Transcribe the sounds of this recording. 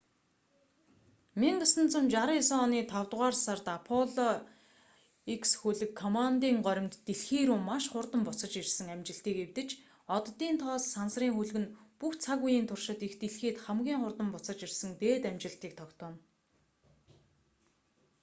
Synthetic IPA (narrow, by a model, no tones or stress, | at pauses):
miŋɢəsə̆nt͡sə̆mt͡ɕaɾisɔniːt̪ʰawt̪ʁaːrsart̪apʰɔɮɔ | iksxuɮɘ̆kʰːɔmant̪iːŋɢœɾʲɪ̆mt̪ːeɮxiːɾuːmːaʃχʊrt̪ə̆mpʊt͡sə̆t͡ɕirsɘ̆ŋamt͡ɕɪ̆ɬt̪iːkewt̪ɘ̆t͡ɕ | ɔt̪t̪ːiːnt̪ʰɔːsːansriːŋxuɮɣɘ̆npuxt͡sʰaɣujiːnt̪ʰʊrʃɪ̆t̪ixt̪eɮxeːt̪χæmɡʲiːŋχʊrt̪ə̆mpʊt͡sə̆t͡ɕirsə̆ŋt̪eːt̪æmt͡ɕɪ̆ɬt̪iːk̚t̪ʰɔkt̪ɔːn